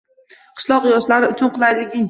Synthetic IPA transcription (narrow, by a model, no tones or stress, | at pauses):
qʰɨ̥ʃlˠɒqjɒʃlaɾɪʊt͡ʃʰʊnqʰɨlˠajlɪɡʲɪŋ